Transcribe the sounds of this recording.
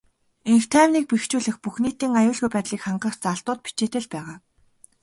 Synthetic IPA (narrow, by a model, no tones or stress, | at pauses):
eŋxt̪ʰæːwniːk̚pixt͡ɕuːɮɘ̆xpuxniːt̪iːŋajʊːɮɣujpæːt̪ɮiːkχaɴɢə̆st͡saɬt̪ʊːt̪̚pi̥t͡ɕeːt̪ɘ̆ɮpæːʁaː